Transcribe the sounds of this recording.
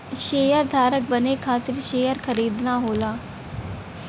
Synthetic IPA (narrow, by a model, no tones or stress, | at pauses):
ʃeːjəɾd̪ʱaːɾək̚bənekʰaːt̪ɪɾʃeːjəɾkʰəɾiːd̪naːɦoːlaː